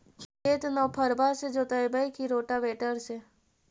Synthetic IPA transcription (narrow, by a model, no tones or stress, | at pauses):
keːt̪nɔːpʰəɾbased͡ʒoːt̪əjbəikiɾoːʈaʋeːʈəɾse